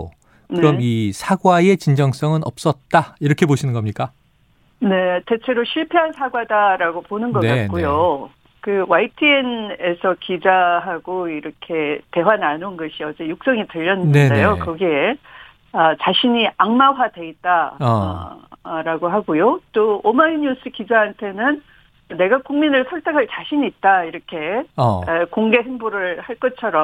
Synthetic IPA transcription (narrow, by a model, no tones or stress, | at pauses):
kɯɾʌmisʰaɡwae̞t͡ɕind͡ʑʌŋs͈ʌŋɯnʌp̚s͈ʌt̚t͈aiɾʌkʰe̞boɕʰinɯnɡʌmɲik͈a | ne̞te̞t͡ɕʰe̞ɾoɕʰiɭpʰeɦansʰaɡwadaɾaɡoponɯnɡʌnk͈ak͈ujo | kɯwaitʰiene̞sʰʌkid͡ʑaɦaɡoiɾʌkʰe̞te̞wananonɡʌɕʰiʌd͡ʑe̞juk̚s͈ʌŋitɯʎːʌnɯnɯndejokɯɡi | ʌt͡ɕaɕʰiɲiaŋmawadwe̞it̚t͈a̰ | ɾaɡoɦaɡujot͈oomaiɲus͈ɯkid͡ʑaɦantʰe̞nɯn | ne̞ɡakuŋminɯɭsʰʌɭt͈ʰekʰaɭt͡ɕaɕʰiɲiːt̚t͈aiɾʌkʰe̞ | koŋɡe̞ɦɯnbuɾɯɭhaɭk͈ʌt͡ɕʰʌɾʌm